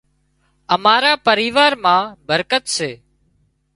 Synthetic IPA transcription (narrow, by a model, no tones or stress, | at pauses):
əmaːɾaːpəɾiːʋaːɾmãːbəɾkət̪seː